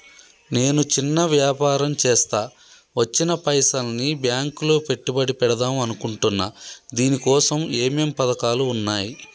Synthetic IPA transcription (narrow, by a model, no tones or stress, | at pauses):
ne̞ːnut͡ʃinːɐʋjaːpaːɾɐmt͡ʃɛːst̪aː | ʋɐt͡ʃːinɐpɐjsɐlɐnibjaːŋkloːpe̞ʈːibɐɽipɛɽɐd̪aːmɐnukuɳʈunːad̪iːnikɔːsɐmeːmeːmpɐd̪ɐkaːluːnːaːji